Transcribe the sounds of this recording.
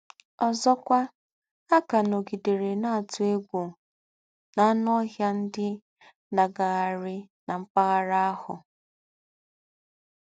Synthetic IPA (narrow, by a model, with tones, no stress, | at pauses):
ɔ˨zɔ˦kʷa˦ | a˦ka˨no˨ɡi˨de˨ɾe˨na˦a˨tʊ˨e˦ɡʷo˨ | na˨˦n˦ɔ˦ɦja˦n̩˦dɪ˦ | na˨ɡa˨ɣa˨ɾɪ˦na˨m̩˦pa˦ɣa˦ɾa˦a˦hʊ˨